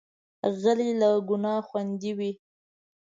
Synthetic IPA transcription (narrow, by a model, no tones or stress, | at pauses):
ɣəlilaɡʊnɑxwand̪iwi